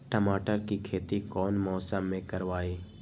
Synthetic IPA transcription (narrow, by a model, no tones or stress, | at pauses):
ʈəmaːʈəɾkikʰeːt̪ikɔːnmɔːsəmːẽkɐɾʋaːiː